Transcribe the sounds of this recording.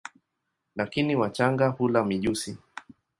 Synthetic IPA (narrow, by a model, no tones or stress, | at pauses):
lakiniwat͡ʃaŋɡahulamiʄusi